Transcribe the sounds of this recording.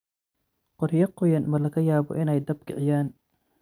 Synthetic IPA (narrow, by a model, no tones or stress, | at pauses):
qɔrjɐqɔjɐnmɐlɐɣɐjaːbɔ̰ʔɪnɛjd̪ɐb̚kʰɪʕɪjaːn